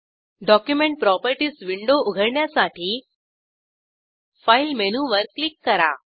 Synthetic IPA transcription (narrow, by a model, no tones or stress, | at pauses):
ɖɔkjumeɳʈ̚pɾɔpəɾʈiːsʋiɳɖouɡʱəɾɳjasaʈʰiː | failmenuʋəɾklikːəɾa̰